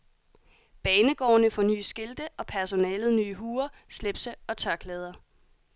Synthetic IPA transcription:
b̥ɛːnəɡ̥ɒ̰ːnəfɒ̽ny̰ːsɡ̥e̝ld̥əʔɒ̽pʰæɐso̝nɛːlð̞̩ˠnyːɦuːɐsleb̥səɒ̽t͡sʰɶɐkʰlɛːð̞ˠɐ

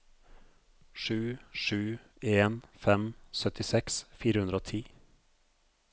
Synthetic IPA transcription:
ʃʉːʃʉː | eːnfɛmsœt̪ɪsɛksfiːɾəhʉnɾoːt̪ʰiː

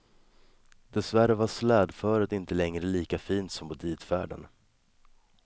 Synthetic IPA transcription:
d̪ɛsvæɾəvaslɛːd̪fœːɾəd̪ɪnt̪əlɛŋɾəliːkafiːnt̪sɔmpɔd̪iːt̪fæ̰ːɖə̰n

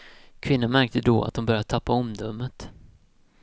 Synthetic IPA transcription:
kʰvɪnːanmæɾk̚t̪əd̪ɔːa̰t̪̚d̪ʊmbœɾjad̪ət̪ʰapːaɔmd̪œmːət̪

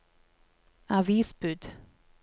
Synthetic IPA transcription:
ɑʋiːsbʉd̪

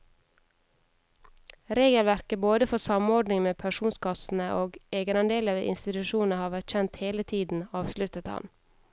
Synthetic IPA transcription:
ɾeːɡəlʋæɾkəboːd̪əfɔsɑmɔɖnɪŋmeːpʰæʃuːnskɑsn̩əʔoːɡʔeːɡənɑnd̪eːləʋḛːʔɪ̰nst̪ɪt̪ʉʃuːn̩əhɑːʋæʈçɛnt̪heːlət̪ʰiːd̪n̩ɑːʋslʉt̪ət̪hɑ̰n

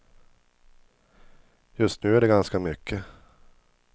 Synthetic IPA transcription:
jɵst̪̚nʉ̟ːæɖɛɡanskamʏkʰːə

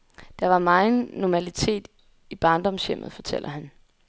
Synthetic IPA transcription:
d̥ɑ̈ʋɑ̈mɑ̈ɪn̩nɒmælit͡sʰe̝̰ːd̥ | ib̥ɑ̈ːnd̥ɒ̽msem̰ð̞̩ˠfɒ̽t͡sʰel̰ɐɦæn

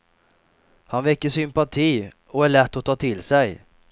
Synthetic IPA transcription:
hanvɛkːəʂʏmpat̪ʰiː | ɔæɭɛt̪ːɔt̪ʰɑːt̪ʰɪlsɛj

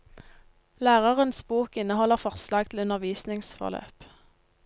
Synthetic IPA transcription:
læːʁəʁənsbuːkɪnəhɔləʁfɔʁslɑːɡ̚t̪ʰl̩ʉnəʁʋiːsnɪŋsfɔ̰ʁlø̰ːp

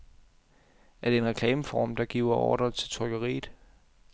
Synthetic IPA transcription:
æɐɾ̥e̝enʁɛkʰlɛːməfɒːmd̥ɑ̈ɡ̥iːʊ̰ɐʔɒ̰ːd̥ʁɐt͡sʰe̝lt͡sʰɒɪɡ̥ɐʁḭːð̥̩ˠ

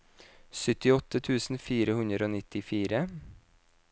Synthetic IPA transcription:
sʏt̪ɪɔt̪ət̪ʰʉːsn̩fiːɾəhʉnd̪ɾəoːnɪt̪ɪfiːɾə

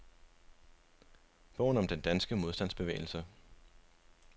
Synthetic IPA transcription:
b̥ɔ̰ʊ̰n̩ɒ̽md̥end̥ænsɡ̥əmo̝ðˠsd̥æn̰sb̥e̝ʋḛːɪl̩sə

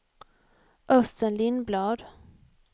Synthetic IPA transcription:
ʔœst̪ənlɪnːblɑːd̪

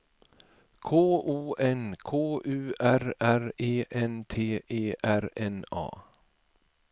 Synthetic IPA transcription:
kʰoːʔuːʔɛnkʰoːʔʉːʔæɾæɾeːʔɛnt̪ʰeːʔeːʔæɾɛnɑ̰ː

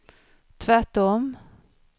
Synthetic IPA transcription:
t̪ʰvæʈɔm

